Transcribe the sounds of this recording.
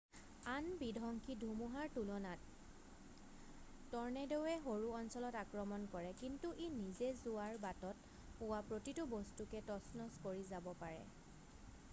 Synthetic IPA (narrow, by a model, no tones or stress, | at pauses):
anbidʱɔŋkʰidʱumuɦaɹtulɔnat | ɔɹnɛdewɛɦoɹuɔnsɔlɔtakɹɔmɔnkɔɹɛkintuʔenizɛzʊaɹbatɔt̚ | pʊwapɹotitubɔstukɛtɔsnɔskoɹizabɔpaɹɛ̰